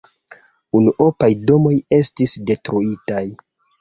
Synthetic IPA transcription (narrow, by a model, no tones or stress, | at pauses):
unuʔo̞pajdo̞mo̞je̞stisde̞tɾuitaj